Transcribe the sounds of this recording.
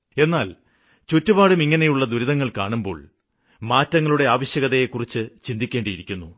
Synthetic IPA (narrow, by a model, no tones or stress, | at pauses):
e̞nːaːl | t͡ɕotːubaːɽumiŋːɐne̞juɭːɐd̪uɾiðɐŋːɐɭkaːɳumbo̞̰ːɭ | maːtːɐŋːɐɭuɽe̞aːʋɐɕjɐɣɐðɐjekːurit͡ɕːɨt͡ɕind̪ikʲːeːɳɖijiɾikʲːunːu